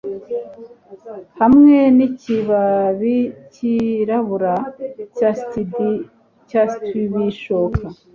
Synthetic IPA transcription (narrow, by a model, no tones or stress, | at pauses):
hamŋe̞niciβaβiciɾaβuɾacastidi | castiβiʃokʰa